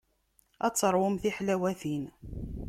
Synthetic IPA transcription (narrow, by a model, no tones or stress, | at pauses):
æt͡sːəɾˤwʊmθiħlæwæθin